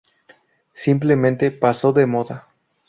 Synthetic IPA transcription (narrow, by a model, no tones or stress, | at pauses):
simple̞mẽ̞nt̪e̞paso̞ðe̞mo̞ða